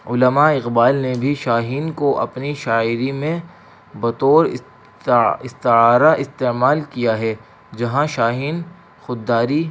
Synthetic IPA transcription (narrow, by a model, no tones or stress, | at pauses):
ʊləmaɪqbaːlnebʱiʃaːɦiːnkoʔɐ̰pniʃaːɪɾimẽ | bɐt̪oːɾ | ɪst̪ɪaːɾaʔɪst̪emaːlkijaɦɛ | d͡ʒɐɦãʃaːɦiːn | xʊd̪ːaːɾi